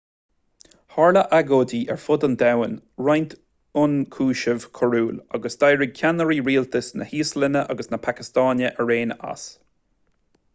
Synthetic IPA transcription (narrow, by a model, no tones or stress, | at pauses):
haɹləʔaɡoːdiʔɛ̰ɹfʊd̪and̪awənɹajnt̪ʰ | ʊnkʰuːʃəv̥kʰəɹuːla̰ɡəsd̪̥ajɹɪɡ̚kʲʰanəɹiːɹiːlt̪ʰəsnə̰hiːslɪnəʔa̰ɡəsnəpʰakɪstɑːnəʔəɹeːna̰s